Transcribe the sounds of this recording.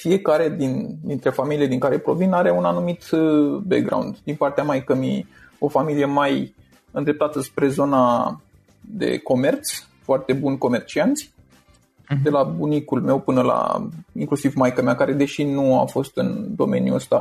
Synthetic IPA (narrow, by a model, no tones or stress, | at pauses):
fie̞kaɾe̞d̪ind̪int̪ɾe̞familied̪iŋkaɾe̞pɾo̞vinaɾe̞unanumit̪bḛkɡɾa̰wnd̪d̪inpart̪eamajkəmi | o̞familije̞maj | ɨnd̪ɾep̚t̪at̪əspɾe̞zo̞na | d̪e̞̰ko̞me̞rt̪s | foart̪e̞bunko̞me̞rt͡ʃiant̪sʲ | d̪e̞labunikulme̞wpɨnəla̰iŋklusivmajkəmakaɾe̞d̪e̞ʃinua̰fo̞st̪ɨnd̪o̞̰me̞̰njṵəst̪a